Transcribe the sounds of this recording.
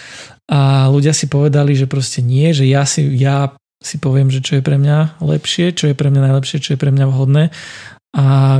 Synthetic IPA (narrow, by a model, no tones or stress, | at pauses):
ʔaluɟɪasipɔʋɛd̪aliʒɛpɾɔscɛɲɪɛʒɛjasija | sipɔʋɪɛmʒɛt͡ʃɔjɛpɾɛmɲalɛ̰pʃɪɛt͡ʃɔjɛpɾɛmɲanaɪjlɛpʃɪɛt͡ʃɔjɛpɾɛmɲaʋɦɔd̪nɛːʔa